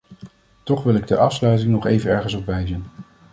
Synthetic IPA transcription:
tɔχʋɪlˠɪɡ̚dəʔɑfslœɥt̬ɪŋnɔχḛjvənɛɹχənsɔpʋɛjzən

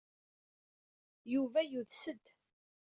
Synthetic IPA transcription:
juvæjuðsəd̪

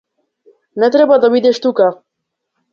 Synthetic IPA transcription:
nɛt̪ɾɛbad̪abid̪ʲɛʃt̪uka

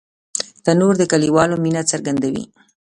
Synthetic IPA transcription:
t̪anoɾd̪əkaliwɑlominat͡saɾɡand̪awḭ

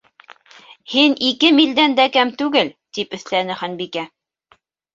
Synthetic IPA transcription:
hinikɘmild̪ænd̪ækæmt̪ʉɡɘlt̪ipɵ̆θlænɘχænbikæ

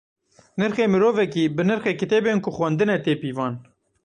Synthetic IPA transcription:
nɨɾxeːmiɾoːvɛkiːbɨnɨɾxɛkit̪eːbeːnkʊxwɛnd̪ɨnɛt̪eːpiːvɑːn

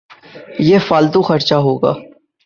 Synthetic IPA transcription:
jefaːlt̪ũxɐɾt͡ʃaɦoːɡa̰ː

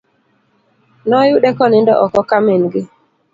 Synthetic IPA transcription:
nɔjuɗɛkɔnɪndɔ̰ʔɔkɔkamenɡɪ

